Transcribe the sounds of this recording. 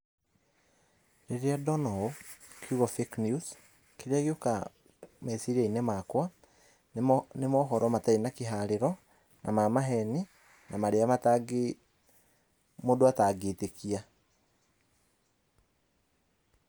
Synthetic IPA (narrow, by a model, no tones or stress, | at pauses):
ɾeɾeadɔnɔokʰuɣɔfeknjus | keɾeaɣeoka̰ | mesiɾainɛmakwa | nemɔɦɔɾɔmatainakeɦaɾeɾɔ | namamaɦɛni | namaɾeamataɡe | modoataɡeːtekia